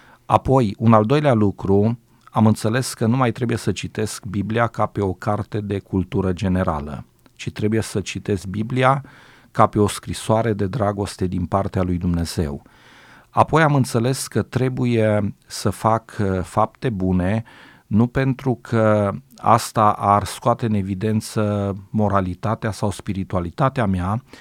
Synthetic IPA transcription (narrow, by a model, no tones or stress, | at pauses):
a̰po̞junald̪o̞jlealukɾu | amɨnt̪se̞le̞skənumajt̪ɾe̞buje̞sət͡ʃit̪e̞skbibliakape̞o̞kart̪e̞d̪e̞kult̪uɾəd͡ʒe̞ne̞ɾa̰lə̰ | t͡ʃit̪ɾe̞buje̞sət͡ʃit̪e̞sk̚biblia | kape̞o̞skɾisoaɾe̞d̪e̞d̪ɾaɡo̞st̪e̞d̪inpart̪ealujd̪umne̞z̥e̞̰w | a̰po̞jamɨnt̪se̞le̞skət̪ɾe̞bujesəfakfap̚t̪e̞bune̞ | nupe̞nt̪ɾukʰəa̰st̪aʔarskoat̪eɨne̞vid̪e̞nt̪səmo̞ɾalit̪at̪easawspiɾit̪ualit̪at̪eamea